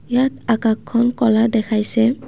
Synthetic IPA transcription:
jatakakʰːɔnkɔladɛkʰajsɛ

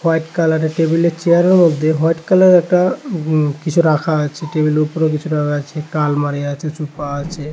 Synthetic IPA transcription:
hɔjʈkalaʈaʈebileɾt͡ɕeaɾaɾmod̪ʱːeɦɔeʈkalaɾɛk̚ʈa | kit͡ɕʰuɾakʰaat͡ɕʰeʈebileɾupoɾok̬it͡ɕʰuɾakʰat͡ɕʰekalmaɾiat͡ɕʰet͡ɕupaat͡ɕʰe

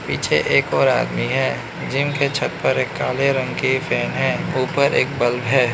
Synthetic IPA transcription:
piːt͡ʃʰeʔeːkɔːɾa̰ːd̪miɦɛː | d͡ʒɪmket͡ʃʰɐt̪pəɾeːkːaːleɾɐ̃ŋɡkifʰɛːnɦɛ̃ːuːpəɾḛːk̚bəlbɛː

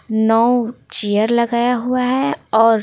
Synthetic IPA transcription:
nɔːt͡ʃijəɾlɐɡaːjaɦuaɦɛɔːɾ

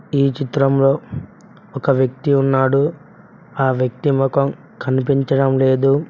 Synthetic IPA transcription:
iːt͡ʃit̪ɾɐmlo̞ː | ɔkɐʋjɐkt̪iunːaːɽu | aːʋjɐk̚t̪imɔkɐm | kɐnipiɲt͡ʃɐɽɐmle̞ːd̪u

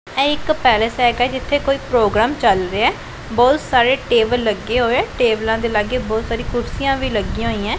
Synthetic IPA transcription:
ɛ̃ːɪkpɛːləsɦɛːɡɛːd͡ʒɪt̪ʰːeːkoːiːpɾoːɡɾaːmt͡ʃəlɾeːɛː | bɔːt̪saːɾeːʈeːbəlːəɡːeːɦoːɛːʈeːblãːd̪eːlaːɡeːbɔːt̪saːɾĩːkʊɾsijãːʋiːləɡĩãɦoːiːãː

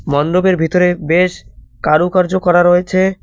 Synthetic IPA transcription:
mɔnd̪obeɾbʱit̪oɾebeʃkaɾukaɾd͡ʑokɔɾaɾoet͡ɕʰe

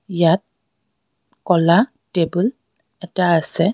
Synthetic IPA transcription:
jat̚ | kɔla | tebul | ɛtaːsɛ

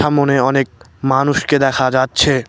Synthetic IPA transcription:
amoneɔnek̚ | manuʃked̪ɛkʰad͡ʑatːɕʰe

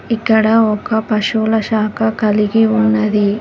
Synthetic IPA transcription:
ikːɐɽɐɔkɐpɐʃuːlɐʃaːkʰɐkɐliɡiunːɐd̪i

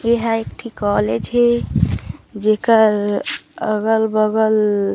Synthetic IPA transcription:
eɦaekʈʰikɔled͡ʒɦe | d͡ʒekəɾəɡəlbəɡəl

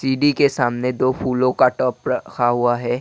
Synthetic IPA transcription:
siːɖikesaːmned̪oːpʰuːlõkaʈɔːpɾɐkʰaɦʊaɦɛː

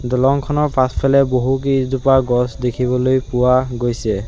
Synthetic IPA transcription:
dɔlɔŋkʰɔnɔɹpʰaspʰɛlɛboɦuk̬idupaɡɔsdekʰibɔlojpʊwaɡojsɛ

